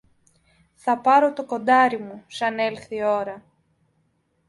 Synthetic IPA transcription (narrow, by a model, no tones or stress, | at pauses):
θɐpɐɾo̞t̪o̞ko̞nd̪ɐɾimusɐne̞lθio̞ɾɐ